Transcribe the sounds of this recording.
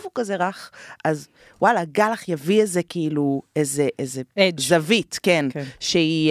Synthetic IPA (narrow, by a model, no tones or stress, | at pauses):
vukazeʁaχʔaz | wʔalaɡalaχjaviezekiiluezeʔezezavitkenʃei